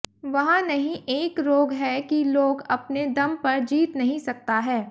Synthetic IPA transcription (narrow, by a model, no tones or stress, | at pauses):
ʋɐɦãnɐɦĩʔeːkɾoːɡɦɛkiloːɡɐpned̪ɐmpɐɾd͡ʒiːt̪nɐɦĩsɐk̚t̪aɦɛː